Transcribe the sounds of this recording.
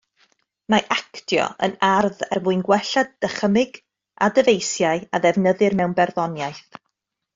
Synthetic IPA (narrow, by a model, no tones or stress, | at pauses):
maʔakdjɔ̰ə̰narðɛrmuɨnɡwɛɬadd̥əχəmɪɡ̥ | a̰dəvejsjaɨaðɛvnəðɨrmɛwnbɛrðɔnjajθ